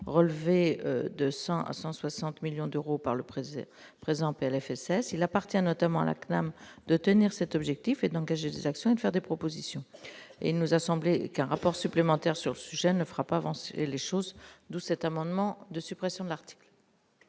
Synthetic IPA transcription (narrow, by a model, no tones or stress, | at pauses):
ʁəlvḛd̪əsɑ̃ʔa̰sɑ̃swasɑ̃t̪miljɔ̃d̪øʁopaʁləpχe | pχezɑ̃peɛlɛfɛsɛsilapaʁt̪jɛ̃nɔt̪amɑ̃a̰la̰knamd̪̥ət̪əniʁsɛt̪ɔbʒɛk̚t̪ifed̪ɑ̃ɡaʒed̪ezaksjɔ̃ed̪ə̥fɛʁd̪epχɔpozisjɔ̃ḛilnuzasɑ̃blekɛ̃ʁapɔʁsyplemɑ̃t̪ɛʁsyʁləsyʒɛnəfəʁapaːvɑ̃sḛleʃozd̪usɛt̪amɑ̃d̪mɑ̃d̪əsypχɛsjɔ̃d̪əlaʁt̪i̥kl